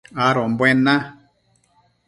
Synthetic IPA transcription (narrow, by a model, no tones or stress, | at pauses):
aɾombwenã